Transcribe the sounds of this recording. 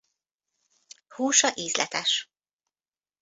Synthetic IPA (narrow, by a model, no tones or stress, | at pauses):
huːʃɒʔiːzlɛ̰t̪ɛʃ